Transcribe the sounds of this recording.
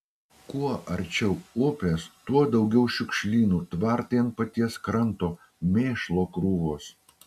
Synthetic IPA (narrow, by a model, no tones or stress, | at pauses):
kuɔʔɐɾʲt͡ʃʲɛʊʊpʲeːst̪uɔd̪ɐʊɡʲɛʊʃʲʊkʃʲlʲiːnuːt̪ʋɐɾt̪ent̪pɐt̪ʲiɛskɾɐnˑt̪oː | mʲeːʃlˠoːkɾuːʋoːs